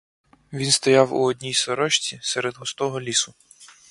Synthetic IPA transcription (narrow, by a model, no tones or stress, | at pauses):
ʋʲinst̪ɔjawṵɔdʲnʲijsɔɾɔʃt͡sʲisɛɾɛd̪ɦɔst̪ɔɦɔlʲisʊ